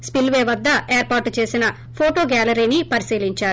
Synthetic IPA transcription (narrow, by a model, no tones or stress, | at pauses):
spilʋeːʋɐd̪ːɐeːɾpaːɾʈt͡ʃe̞ːsinɐ | pʰoːʈoːɡaːlɐɾiːnipɐɾisiːliɲt͡ʃaːɾu